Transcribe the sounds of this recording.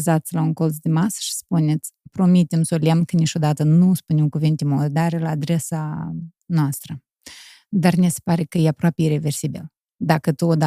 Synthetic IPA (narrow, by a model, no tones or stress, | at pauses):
zat̪sʲlauŋko̞lzd̪emasə̥ʃi̥spunet̪sʲpɾo̞mit̪emsoliamkənit͡ʃo̞d̪at̪ənuspunemkuvint̪emod̪aɾelaːd̪ɾe̞sa | noast̪ɾə | d̪arnise̥paɾe̞kəjeapɾoapʲeiɾe̞ve̞rsibil | d̪akət̪uod̪